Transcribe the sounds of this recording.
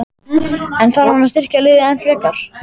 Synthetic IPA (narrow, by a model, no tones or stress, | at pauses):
ɛnθaɾɔnːast̪ɪr̥calɪːðaɛnfɾɛːkaɾ̥